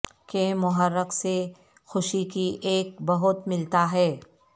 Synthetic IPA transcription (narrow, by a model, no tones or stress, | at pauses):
kemʊɦəɾːəkse | xʊʃikiʔeːk̚bɐɦʊt̪mɪlt̪aɦɛː